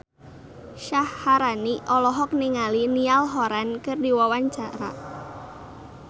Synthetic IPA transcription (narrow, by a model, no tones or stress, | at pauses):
ʃahːaɾaniʔɔlɔɦɔk̚niŋalinialɦɔɾankɨrdiwawaɲt͡ʃaɾa̰